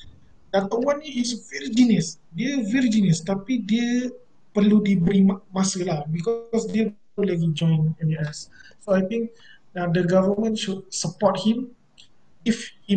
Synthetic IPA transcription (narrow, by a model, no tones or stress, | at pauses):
dat̪əwãniisviɹd͡ʒinəsdeviɾd͡ʒinəst̪apide | pəludebɾimasəlahbikɔsdew | olɛlid͡ʒɔ̃j̃nɛniɛssoajt̪ĩŋk̚ | adəɡavəmə̃nʃud̚səpɔt̚hĩm | ifhi